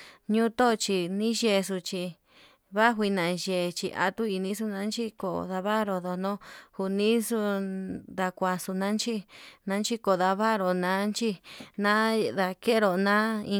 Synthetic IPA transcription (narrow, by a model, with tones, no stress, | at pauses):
ɲũ˦t̪o˦˧t͡ʃi˧nĩ˦ʒe˧s̬u˧t͡ʃi˧ | βa˦xʷi˧nã˨ʒe˧˨t͡ʃḭ˧ʔa̰˧t̪u˦i˧nĩ˧˦su˧nã˧˦nt͡ʃi˦ko̰˨ða˧βa˦ɾo˧ðo˧nõ˦hu˧nĩ˦su˧d̪a˧kʷa˧su˧nã˦nt͡ʃi˦nã˧˦nt͡ʃi˧ko˨ða˧βa˦ɾo˧˨nã˦nt͡ʃi˧nã˦ða˧ke˦ɾo˨nã˦ĩ˧